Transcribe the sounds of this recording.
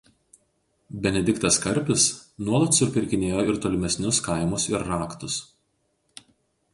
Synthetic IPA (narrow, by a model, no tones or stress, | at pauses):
bʲɛnʲɛd̪ʲɪkt̪ɐskɐɾʲpʲɪsnuɔlˠɐt̪sʊɾʲpʲɪɾʲkʲɪnʲeːjoːɪɾt̪oːlʲɪmʲɛsʲnʲʊskɐˑɪmʊsɪɾːɑːkt̪ʊs